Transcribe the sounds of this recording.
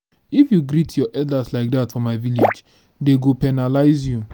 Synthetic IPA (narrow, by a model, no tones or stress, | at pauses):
ifjuɡɾitʰjɔʔɛldaslaɪk̚datfɔmaɪviled͡ʒ | deɡopɛnalaɪzju